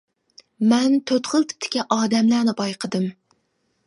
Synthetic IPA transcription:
mɛnt̪ʰot̪ʁɨlˠt̪ʰɪ̥p̚t̪ʰɪ̥kʲaʔɒːd̪æmlæɾnɪbɒjqʰɨd̪ɪm

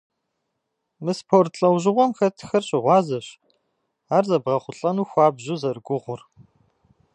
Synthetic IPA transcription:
mɨspʰoːrtɬʼɐwʑɪʁʷɔmxɐtʰxɐrɕʼɪʁʷɑːzɐɕ | aːrzɐbʁɐχʷʊɬʼɐnuːxʷɑːbʑuzɐrɡʷʊʁʷʊr

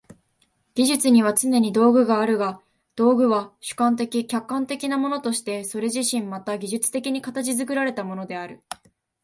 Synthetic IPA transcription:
ɡ̥ʲiʑɨt͡sɨɲ̟iβ̞at͡sɨne̞ɲ̟id̪o̞ːɡɯ̟ɡaːɾɯ̟ɡa | d̪̥o̞ːɡɯ̟βaɕɨ̥kãnt̪e̞kʲikʲakːãnt̪e̞kʲinamo̞no̞t̪o̞ɕi̥t̪e̞so̞ɾe̞ʑiɕĩmːat̪aɡʲiʑɨt͡sɨ̥t̪e̞kʲiɲ̟ikat̪at͡ɕizɨkɯ̟ɾaɾe̞t̪amo̞no̞d̪e̞aɾɯ̟

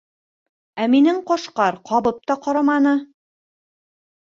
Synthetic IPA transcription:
æminɘɴqɒʃqɑɾqʰɑβɤp̚t̪ɑqɒɾɑmɑnɤ

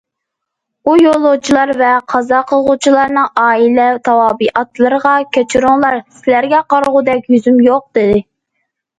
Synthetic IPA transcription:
ujolˠːʊt͡ʃʰilˠɑɾvɛqʰɑzɑqʰəlˠʁʊt͡ʃʰilˠɑɾnɨŋɑːilɛt̪ʰɑwɑːbiʔɑt̪lˠəɾʁɑkʲʰøt͡ʃʰyɾuŋlˠɑɾsɪlæɾɡʲɛqɑɾʁʊd̪ɛkʲjyzymjoq̚d̪̥ɪd̪ɪ

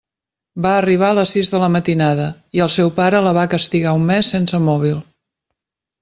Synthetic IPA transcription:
baəriβ̞aələsizðələmət̪inaðə | iəlˠsɛwpaɾələβakəst̪iɣaumːɛsːensəmɔβ̞ilˠ

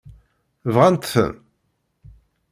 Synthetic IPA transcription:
vʁænt̪θə̰m

